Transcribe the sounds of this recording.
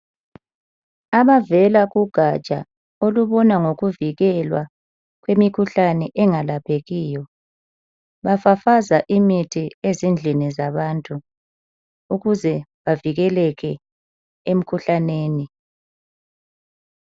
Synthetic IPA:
aβavɛlaɣuɡ̥ʱat͡ʃʼa̰ | oluβɔnaŋoɣuviɣɛlwa̰ | ɣwemikʰuɬanɛʔɛŋalapʰeɣiːjɔ | βafafazaʔimitʰiezind͡ɮʱinizaβantʼu | uɣuzɛβaviɣɛlɛɣɛ | em̩kʰuɬaneːni

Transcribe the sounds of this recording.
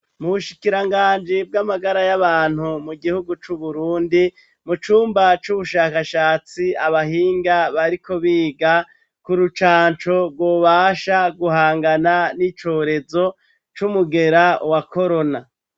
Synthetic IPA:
muβuʃikiɾaŋɡaːnd͡ʒib̚ɡamaɡaɾajaβaːn̥humuɡihuɡut͡ʃuβuɾuːndi | mut͡ʃuːmbat͡ʃuβuʃaːkaʃaːt͡siaβaɦiːŋɡaβaɾikʰo̞βiːɡa | kuɾut͡ʃaːnt͡ʃo̞bɡwo̞ːβaːʃaɡuɦaːŋɡananit͡ʃo̞ːɾe̞zo̞ | t͡ʃumuɡe̞ɾawako̞ɾo̞na

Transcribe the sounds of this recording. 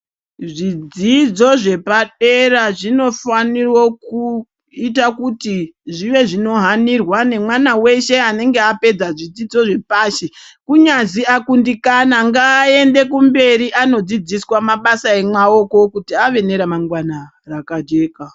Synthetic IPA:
ʐid͡zid͡zo̞ʐe̞paɗe̞raʐino̞fanirwo̞ku | itakutiʐiʋe̞ʐino̞ɦanirwane̞mwanawe̞ʃe̞ane̞ŋɡeape̞d͡zaʐid͡zid͡zo̞ʐe̞paːʃekuɲaziakundikanaŋɡaːe̞nde̞kumbe̞ɾiʔano̞d͡zid͡ziswamaɓasae̞mwao̞ko̞kutiaʋe̞ne̞ɾamaŋɡwana | rakad͡ʒe̞ːka

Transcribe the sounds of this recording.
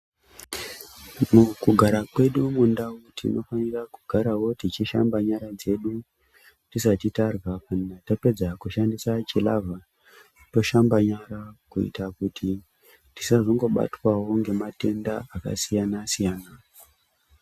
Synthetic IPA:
mukuɡʱaɾakwe̞ɗumundawutʰḭnʔo̞fanirakuɡʱaɾawo̞tit͡ʃiʃa̰mbaɲaɾad͡ze̞ɗu | tisatitarwapannatape̞d͡zakuʃandisat͡ʃilavʱa | to̞ʃambaɲaɾakuḭtakutʰi | tisaʐoŋɡo̞ɓa̰twawo̞ŋɡe̞mate̞ndaaka̰sijanasijaːna

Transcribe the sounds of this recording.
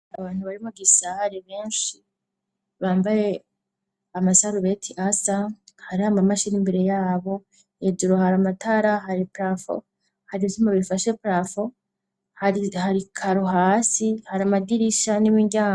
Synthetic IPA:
aβaːn̥huβaɾimuɡisahaɾeβe̞ːnʃi | βaːmbaje̞ | amasaɾuβetʰiʔasahaɾihamamaʃinimbeɾe̞jaːβo̞ | ed͡ʒuɾoɦaɾamataɾaɦaɾipɾafo̰ | haɾizumaβifaʃe̞pɾafo | haihaɾikʰaɾoɦaːsihaɾamadiɾiʃanimiɾɟaː

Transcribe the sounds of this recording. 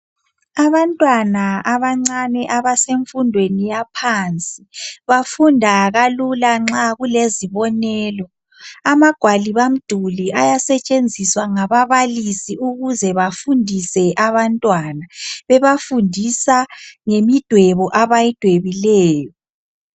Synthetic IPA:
aβantʼwanaaβaŋ͡ǀanɛʔaβaseɱfundʱwenijapʰant͡sʼiβafundʱaɣalulaŋ͡ǁaɣuleziβɔnɛːlɔ | amaɡ̥ʱwaliβam̩d̥ʱuliajasɛt͡ʃʼend͡zʱiswaŋaβaβalisiuɣuzɛβafundʱisɛʔaβantʼwanaβɛβafundʱisaŋemid̥ʱwɛβɔʔaβajid̥ʱweβilɛːjɔ

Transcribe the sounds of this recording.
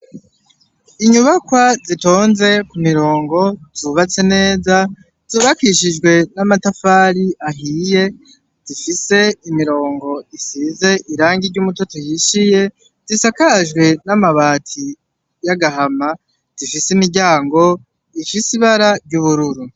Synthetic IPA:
iɲuβakwazito̞ːnze̞kumiɾo̞ːŋɡo̞zuβat͡se̞ne̞ːza | z̥uβakiʃid͡ʒɡwe̞namatafaːɾiʔaɦije̞ | z̥ifise̞imiɾo̞ːŋɡo̞isize̞ʔiɾaːŋɡiɾɟuːmuto̞tojiʃije̞ | z̥isakaʒɡwe̞namaβaːtʰi | jaɡaɦama | z̥ifisimiɟaːŋɡo̞ | ifisiβaɾabɟuβuɾuɾu

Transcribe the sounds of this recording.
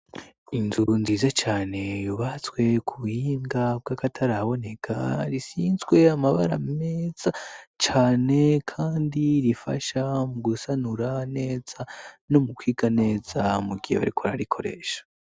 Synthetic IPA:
inzunziːzat͡ʃaːne̞juβat͡swe̞kʰuβuhiːŋɡab̚ɡakatʰaɾaβo̞ne̞kʰa̰ɾisiːnzɡwe̞amaβaɾa̰meːz̥at͡ʃaːne̞kʰaːndiɾifa̰ʃamuɡusanuɾane̞ːz̥ano̞mukwiːɡane̞ːz̥amuɡiheβa̰ɾikʰoɾaɾikʰo̞ɾe̞̰ːʃḁ

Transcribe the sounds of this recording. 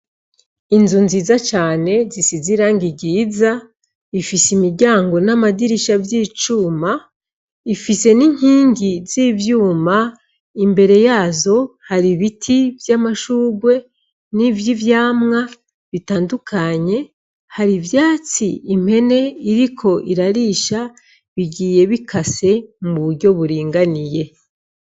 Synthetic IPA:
inzunziːzat͡ʃaːne̞zisiziɾaːŋɡiɟiːza | ifisimiɾɟaːŋɡo̞namadiɾiʃavjiːt͡ʃuːma | ifise̞niɲ̥hiːŋɡizivjuːma | imbe̞ɾe̞jaːzo̞haɾiβitʰivjamaʃuːɡwe̞ | nivjivjaːmŋa | βitaːndukʰaɲe̞ | haɾivjaːt͡sḭːm̥he̞ne̞iɾikʰo̞ʔiɾaɾiːʃa | βiɟiːje̞βikʰase̞muβuɾɟo̞βuɾiːŋɡanije̞

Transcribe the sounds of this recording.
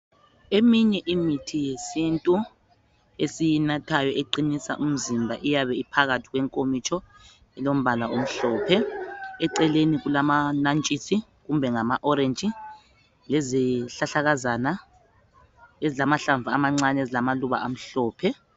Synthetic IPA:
emiɲɛʔimitʰijesintʼu | esijinatʰajɔʔeǃinisa̰ʔum̩zimbʱaʔijaβɛipʰaɣatʰi̥ɣwɛŋkʼomit͡ʃʰʼɔ | ɛlom̩βalaum̩ɬɔːpʰɛɛǀɛleniɣulamanant͡ʃʼisʰi | ɣumbʱɛŋamaʔɔɾent͡ʃʼi | leziɬaɬaɣazana | ezilamaɬaɱvʱaamaŋ͡ǀanezilamaluβa̰ʔam̩ɬɔːpʰɛ

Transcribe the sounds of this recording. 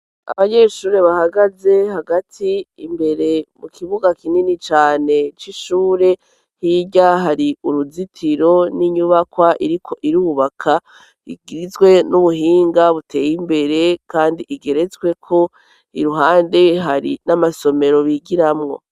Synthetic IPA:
a̰βaɲe̞ʃuːɾe̞βahaɡaze̞haɡatʰiːmbe̞ɾe̞mukʰiβuɡakininit͡ʃaːne̞t͡ʃiʃuːɾe̞ | hiɟaɦaɾiuɾuzitʰiɾo̞niɲuβakwaʔiɾikʰo̞ʔiɾuβakʰa | ḭɡiɾizɡwe̞nuβuɦiːŋɡaβutʰe̞ːjimbe̞ɾe̞kaːndiʔiɡe̞ɾe̞zɡwe̞kʰo̞ | iɾuɦaːnde̞ɦaɾḭnamaso̞me̞ɾo̞βiɡiɾamŋo̞̰

